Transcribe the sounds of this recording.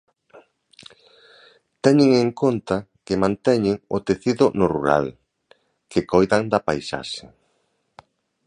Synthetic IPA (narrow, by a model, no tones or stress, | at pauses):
t̪ɛɲɪŋeŋkont̪ɐkɪmãnt̪ɛɲɪŋot̪eθiðʊnʊruɾa̰l | kekojðaŋd̪ɐpajsa̰ʃe